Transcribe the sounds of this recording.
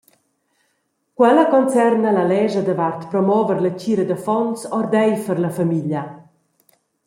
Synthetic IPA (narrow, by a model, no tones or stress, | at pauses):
kwɛlakɔnt͡sɛrnalalɛʒad̪əvart̪pɾɔmɔvəɾlət͡ɕiːɾəd̪əfɔnsɔrd̪ɛjfəɾlafamiʎa